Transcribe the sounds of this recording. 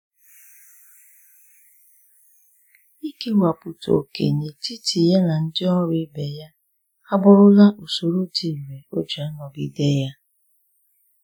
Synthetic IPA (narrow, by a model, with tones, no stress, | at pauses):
i˦ke˦wa˨pʊ˨to̰˨kḛ˨ne˨ti˦ti˨ja˦na˨n̩˦dɪ˦ɔ˦ɾɪ˦be˨ja˦ | a˦bʊ˦ɾʊ˦la˦ʔo˨so˨ɾo˦di˨ɾe˨o˦d͡ʒa˨˦nɔ˨ɡi˦de˦ja˦